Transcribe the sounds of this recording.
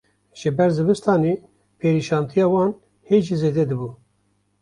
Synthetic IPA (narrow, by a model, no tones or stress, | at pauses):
ʒ̥ɨbɛɾzɨbɨst̪ɑːneː | pʰeːɾiːʃɑːnt̪ʰijɑːwɑːn | heːʒizeːd̪ɛd̪ɨbu